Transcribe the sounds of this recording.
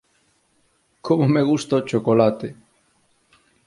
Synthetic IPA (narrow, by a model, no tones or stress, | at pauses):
komomeɣ̞ust̪aot͡ʃokolat̪e